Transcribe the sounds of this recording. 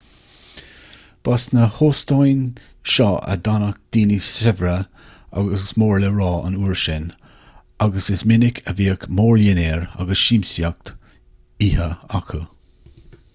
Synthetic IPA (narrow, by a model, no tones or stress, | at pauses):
b̥asnəhoːst̪ɔjn | ʃɔːʔə̰d̪anək̚d̪̥iːnisɛvɾə | a̰ɡəssmoːɹləɹɑːʔə̰nuːɹʃɪn | aɡəsɪsmɪnɪkʰəviːəkmoːɹjɪnɛːɹa̰ɡəsʃiːmsjak̚t̪ | iːhəakʰə